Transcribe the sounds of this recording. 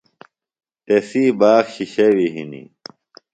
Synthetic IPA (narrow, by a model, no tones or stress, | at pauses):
t̪esiːbaːxɕiɕɐwiɦḭnḭ